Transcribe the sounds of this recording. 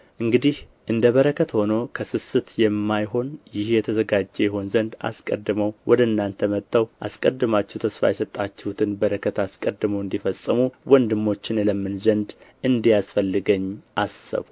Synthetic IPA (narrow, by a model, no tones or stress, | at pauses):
ʔɨŋɡɨd̪ih | ʔɨnd̪əβəɾəkʰət̪ho̞no̞kʰəsɨsɨt̪jɛmːajho̞njɪhjɛt̪ʰəzəɡad͡ʒːejɛho̞nzənd̪a̰skʼə̰d̪ːɨməwwʔɔd̪əɨnːant̪ʰəmət̪ʼʰːawʔa̰skʼəd̪ːɨmat͡ʃːɛhwt̪ʰəsfa̰jɛsət̪ʼːat͡ʃːɛhut̪ʰɨnbəɾəkʰət̪ʰaskʼəd̪ːɨməwɨnd̪ifəsʼːɨmuwɔnd̪ɨmːo̞t͡ʃːɪnləmːɨnzənd̪ʔɨnd̪ijasfəlːɨɡəɲːʔasə̰βu